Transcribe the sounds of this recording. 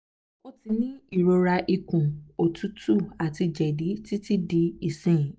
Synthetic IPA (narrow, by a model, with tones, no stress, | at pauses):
o˦ti˧nĩ˦i˦˨ɾo˧ɾa˧ʔi˧kũ˨o˨tʰu˨˦tu˦˨a˨ti˧d͡ʒɛ˨di˨˦ti˦ti˦di˧˦i˦˨sɛ̃˦˨